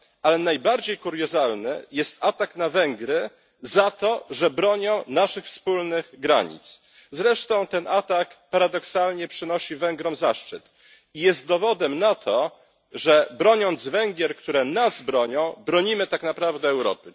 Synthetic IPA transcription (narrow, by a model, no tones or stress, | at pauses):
alɛnajbaɾd͡ʑejkuɾjɔzalnɘ̰jɛst̪at̪aknavɛŋɡɾɘ | zat̪ɔʐɛbɾɔɲɔ̃w̃naʂɘxfspulnɘɣɡɾa̰ɲḭt̪s | zɾɛʂt̪ɔ̃w̃t̪ɛnʔat̪akpaɾad̪ɔksalɲɛpʂɘnɔɕivɛŋɡɾɔmzaʂt͡ʂɘt̪ | ijɛst̪̚d̪ɔvɔd̪ɛmnat̪ʰɔ | ʐɛbɾɔɲɔnd̪zvɛŋɡʲjɛɾkt̪uɾɛnasbɾɔɲɔ̃w̃bɾɔɲimɘt̪aknapɾavd̪ɛːwɾɔ̰pɘ